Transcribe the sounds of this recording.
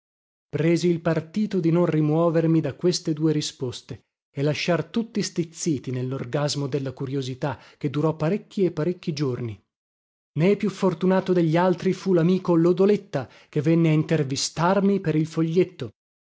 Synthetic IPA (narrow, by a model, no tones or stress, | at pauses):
pɾɛːziːlpart̪iːt̪od̪inonrimwɔːvermid̪akwest̪ed̪uːeɾispost̪eː | lːaʃːart̪ut̪ːist̪it̪sːiːt̪inelːorɡazmod̪elːakuɾjozit̪a | k̟ːed̪ːuɾɔpːaɾekʲːiepːaɾekʲːid͡ʒorni | nepːjufːort̪unaːt̪od̪eʎːialt̪ɾifulamiːkolod̪olet̪ːa | k̟evːɛnːeaint̪ervist̪armipeɾilfoʎːet̪ːo